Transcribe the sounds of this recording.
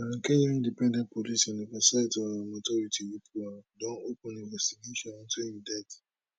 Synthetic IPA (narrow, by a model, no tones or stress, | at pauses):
ãkẽɲɔ̃ĩndipɛ̃ndɛ̃nt̚pɔlisɔnibasaitɔmatɔɾitʰiwipʰuadɔ̃nopũnĩvɛstiɡeʃɔ̃nɔ̃ntʰũjidɛt